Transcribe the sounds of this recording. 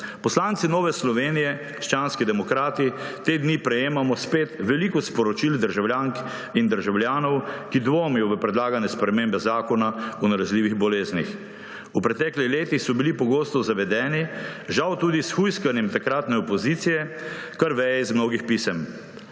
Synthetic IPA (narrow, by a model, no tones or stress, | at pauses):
pɔslaːnt̪sinɔːʋɛslɔʋeːnijɛkɾʃt͡ʃaːnskɛd̪ɛmɔkɾaːt̪it̪eːd̪niːpɾɛjeːmamɔspeːt̪ʋɛlikɔspɔɾɔt͡ʃild̪əɾʒawlʲjaːŋk | ind̪əɾʒawljaːnɔwkid̪ʋomɛjɔʋəpɾɛd̪laːɡanɛspɾɛmeːmbɛzaːkɔnaɔnalazliːʋiɣbɔleːznix | upɾɛt̪ɛklixleːt̪ixsɔbilipɔɡoːst̪ɔzaʋɛd̪ɛːniʒawt̪uːd̪isxujskanjɛmt̪akɾaːt̪nɛɔpɔziːt̪sijɛkaɾʋɛjɛizmnoːɡixpiːsɛm